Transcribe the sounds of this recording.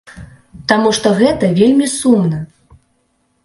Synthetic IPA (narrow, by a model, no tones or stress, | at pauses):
t̪amuʂt̪ɔɣɛt̪ɐvʲelʲmʲisumnɐ